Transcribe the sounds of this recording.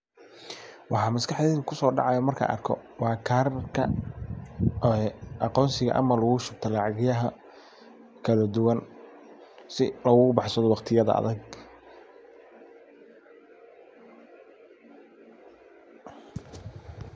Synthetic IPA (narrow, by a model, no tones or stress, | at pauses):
wɑħɑːmɐskʰɑħd̪ɛːðʊkʰʊsɔːɖɑ̰ʕɑjɔmɐrkʰɐ̰ʔɐ̰rkʰɔ̰wɑːkʰarkʰɐ | ɑqɔːnsɪɣɐ̰ʔɐ̰mɐlɐɣʊʃʊb̚t̪ʰɐlɑʕɣɪjɐɦɐ | kʰɐlɐd̪ʊwɐn | sɪlɐɣʊɣʊbɑħsɐðɔwɑqt̪ʰɪjɐðɐ̰ɐ̰ðɐɡ